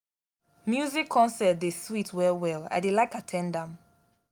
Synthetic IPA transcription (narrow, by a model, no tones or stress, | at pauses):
mjuzikʰːɔ̃nsɛt̚deswitʰwɛlwɛla̰ɪdelaɪkatʰɛ̃ndãm